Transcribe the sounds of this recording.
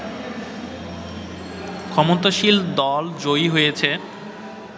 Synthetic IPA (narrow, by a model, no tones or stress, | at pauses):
kʰɔmot̪aʃild̪ɔld͡ʑojɦojet͡ɕʰe